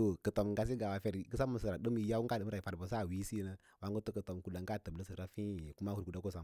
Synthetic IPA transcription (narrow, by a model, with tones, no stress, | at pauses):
to˨kə˨to˨mŋɡa˨s̬i˦ɡa˨wa˨fe˨ɾkə˦sa˦mə˨sə˨ɾa˨də˦mi˦˨ja˦wu˦ŋ˦ɡa˦˨ə˦mɾa˨fa˨ɾbə˨s̬a˦˨wi˦si˦nə˦ | wa˨˦ŋ˦ɡə˦to˦kə˨to˨mku˨la˨ŋɡa˦˨tə˨blə˦sə˨ɾa˦fi˦˨ku˦ma˦hu˨ɾku˨da˦ko˦sa˨m